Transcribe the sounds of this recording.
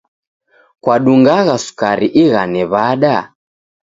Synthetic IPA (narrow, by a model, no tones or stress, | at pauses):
kwaɗuŋɡaɣasu̥kaɾiʔiɣanɛβaɗa